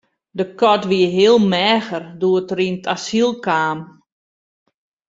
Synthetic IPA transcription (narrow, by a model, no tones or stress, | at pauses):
dəkɔtʋiəɦiəlˠmɛːxərduətrintʰasilˠkaːm